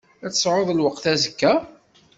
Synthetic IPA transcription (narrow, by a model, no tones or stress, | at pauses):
æt͡sːə̥sˤʕoðˤəlwəqθæzəkːæ